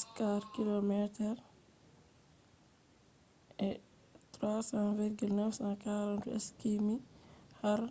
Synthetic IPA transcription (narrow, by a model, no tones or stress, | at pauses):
skaɾkilɔmɛtɛɾ | ʔɛ | t̪ɾwaːsãviɾɡilnɛfsãkaɾanduɛ̰skimihaɾ